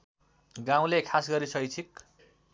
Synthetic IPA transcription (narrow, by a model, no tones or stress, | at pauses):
ɡãw̃lekʰasɡʌɾisʰʌjt͡sʰik̚